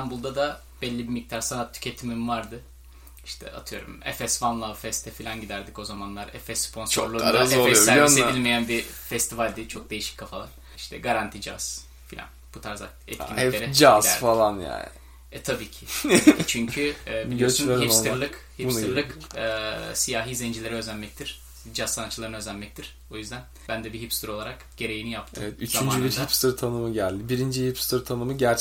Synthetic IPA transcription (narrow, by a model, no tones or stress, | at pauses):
æmbulˠd̪ad̪a | b̥ɛlʲːibimic̚t̪ʰaɾsanat̪ʰːy̥cʰet̪ʰimimvaɾd̪ɯ | iʃt̪ʰɛ̰a̰t̪ʰɯjo̞̰ɾṵmɛ̰fɛsvanlˠavfɛst̪ʰɛfilʲanɟid̪æɾd̪ico̞zamanlˠaɾɛ̰fɛsːpʰo̞nst͡ʃoɾlˠuːaaɛsæɾseilʲmejænbifɛst̪ʰivalʲd̪it͡ʃʰo̞k̚d̪e̞jiʃi̥c̚ʲkʰːafalˠa̰ɾ | iʃt̪ʰɛɡaɾant̪ʰid͡ʒa̰z̥ | filʲa̰nb̥ut̪ʰaɾza̰kɛ̰t̪cinɛeɾɛd͡ʒazæfalˠanja̰ːnɪ | ɛt̪ʰabiːcʰi̥t͡ʃʰyɲcʰyːbioøst͡ʃunleɾiinoɯalˠɯkhibusnuɾlˠɯkː | sijaːɦiːzend͡ʒilʲe̞ɾɛøzænmɛc̚t̪ʰiɾ̥ | d͡ʒazːanat̪t͡ʃɯlˠaɾɯnø̞zænmɛc̚t̪ʰiɾ̥ | o̞jyzd̪æn | b̥ænd̪ɛbiɦipst̪ɯɾo̞lˠaɾak | ɟ̥e̞ɾe̞jinijapt̪ʰɛvɛt̪ʰyt͡ʃ̪ʰamynd͡ʒylʲyhipst̪ɯɾt̪ʰanɯmɯɟælʲd̪ibiɾind͡ʒihipst̪ɯɾt̪ʰanɯmɯɟæɾt͡ʃ